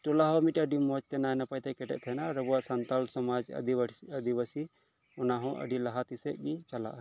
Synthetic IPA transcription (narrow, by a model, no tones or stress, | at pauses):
ʈɔlaɦɔmiʈəɖimɔt͡ʃt̪ɛnaɛnapajt̪ɛkɛʈɛ̰ʔ̚t̪ʰɛnaɾəbuaʔsɐnt̪alsɔmad͡ʒ̰d̪iɐd̪ibəsi | ɔnaɦɔ̃ʔə̰ɖilaɦat̪isɛʔ̚ɡit͡ʃala̰ʔ